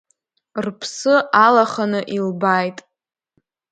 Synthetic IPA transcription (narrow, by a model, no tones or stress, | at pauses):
rpʰsɨalaχanɨʔilbajtʼ